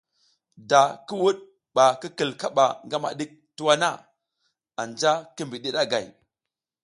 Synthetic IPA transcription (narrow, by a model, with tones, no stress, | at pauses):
da˨ki˦wu˦ɗ̚ | ɓa˨ki˦ki˨lka˦ɓa˨ŋɡa˦ma̰˨ɗi˦k̚tu˦wa˦na˦ | a˨nd͡ʒa˦ki˦mbi˨ɗi˦ɗa˦ɡa˨j